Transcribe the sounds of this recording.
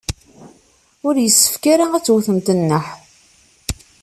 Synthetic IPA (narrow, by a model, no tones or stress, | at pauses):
ʊɾjəsːə̥fkaɾaæt͡sːwθəmt̪ənːəħ